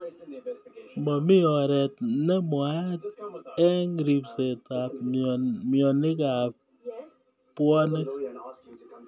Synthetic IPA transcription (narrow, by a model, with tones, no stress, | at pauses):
mbɔ˨mi˦ɔ˨ɾɛ˨t̚nɛ˦mwa˦t̚ɛ˦ŋɾi˨pse˨ta˨p̚mjɔ˨ni˦ka˨p̚ | pwɔ˦ne˦k